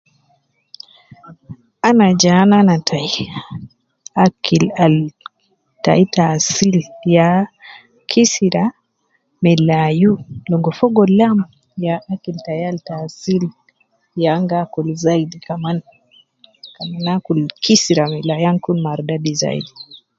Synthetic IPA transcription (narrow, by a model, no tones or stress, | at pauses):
anad͡ʒananatʰaj | akʰilal | ta̰itasilja | kʰisiɾa | mɛlajulɔŋɡɔfɔɡɔlam | jaʔakiltajaltasil | jaŋɡakulzaidikaman | kamanakulkʰisiɾamɛlajaŋkunmaɾdadiza̰ḭdi